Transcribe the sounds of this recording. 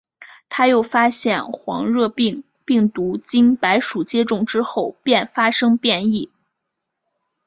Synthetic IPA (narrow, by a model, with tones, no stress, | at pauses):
t̪ʰa˥jo˥˩ʊfa˥ɕjɛ˥˩nxwɑ̰˧˥ŋɻɤ˥˧˥ŋ | pi˥˩ŋt̪u˧˥t͡ɕi˥npa˧˥ɪʂu˨˩t͡ɕjɛ˥ʈ͡ʂʊ˥˩ŋʈ͡ʂɻ̩˥xo˥˩ʊpjɛ˥˩nfa˥ʂɤ˥ŋpjɛ˥˧ni˥˩